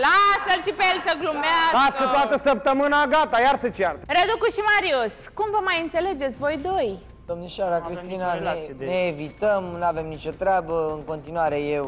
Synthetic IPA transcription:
laselʃipejelsəɡlumeaaskɨt̪oat̪əsəp̚t̪əmɨnaɡat̪ajarsət͡ʃiart̪rəd̪ukuʃimaɾio̞s | kumvəmajɨnt̪se̞le̞d͡ʒet̪sʲvo̞jd̪o̞j | d̪omneʃaɾakɾist̪inanneːvit̪əmnave̞mnit͡ʃo̞t̪ɾeabəɨŋko̞nt̪inuaɾe̞je̞w

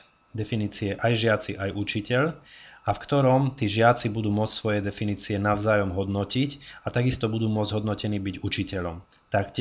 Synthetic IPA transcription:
d̪ɛfiniːt͡siɛʔajʒɪat͡siʔajʔut͡ʃicɛʎafkt̪ɔɾɔmt̪iːʒɪat͡sibud̪uːmʊɔt͡ssʋɔjɛd̪ɛfiniːt͡siɛnaʊzaːjɔmɦɔd̪nɔcicat̪aɡist̪ɔbud̪uːmʊɔd͡zɟɦɔd̪nɔcɛniːbiɟut͡ʃicɛʎɔm | t̪akc

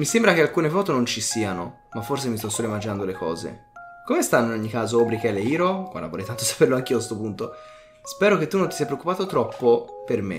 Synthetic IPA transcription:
misembɾakealkuːnefɔːt̪onont͡ʃisiːano | mafːors̬emist̪ɔsːoːloeimːad͡ʒinand̪olekʰɔ̰ːzḛkomest̪anːoinoɲːikaːzoobɾikɛleiːɾokwa̰lːa̰voɾɛjt̪ant̪osḁperloak̟iːos̬t̪opunt̪o | spɛːɾok̟et̪ːunːont̪isijapɾeokːupaːt̪ot̪ɾɔpːopermḛ

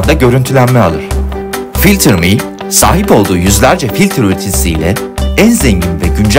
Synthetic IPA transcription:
nd̪aɟø̞ɾynt̪ʰylʲænmɛalˠɯɾ̥ | filʲt̪ʰɯɾmi | sa̰ːɦipo̞lˠd̪uːjyzlʲæɾd͡ʒɛfilʲt̪ʰɾøɾt̪ʰinsiːlʲɛ | ænzɛɲɟinvɛɟynd͡ʒ

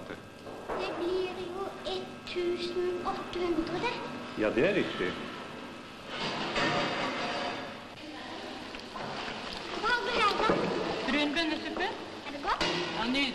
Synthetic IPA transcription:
d̪̥ɛblɪɾjuɛt̪ʰːʉːsn̩ɔt̪ːəhʉnd̪ʁəd̪əjɑːd̪ɛæɾɪkt̪ɪ̰ | ʋɑɡ̪əæɑd̪ɾʉnbɛnːəsʏpːə | æɖɛɡɔt̪ɑnyː

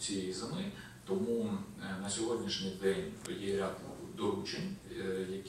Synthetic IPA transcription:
t͡sʲijejizɪmɪ | t̪ɔmunɐsʲɔɦɔd̪ʲnʲiʃnʲɪjd̪ɛnʲjɛɾʲad̪d̪ɔɾˠut͡ʃenʲjɐk

